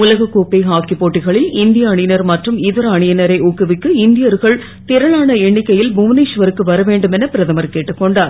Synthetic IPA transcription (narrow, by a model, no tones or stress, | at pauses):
ʊlɐɣɐkːuːpːɐɪɦaːkːɪpːoːʈːɪɣɐɭɪlɪnd̪ɪjɐːɳɪnɐɾmɐʈrɯmɪðɐɾɐɳɪjɐnɐɾɐɪʊkːɯʋɪkːɯɪnd̪ɪjɐɾɣɐɭ | t̪ɪɾɐɭaːnɐɛɳːɪkːɐjɪlbʊʋniːʂʋɐɾɯkːɯʋɐɾɐʋeːɳɖɯmɛnɐpɪɾɐðɐmɐɾkeːʈːɯkːɔɳɖaːɾ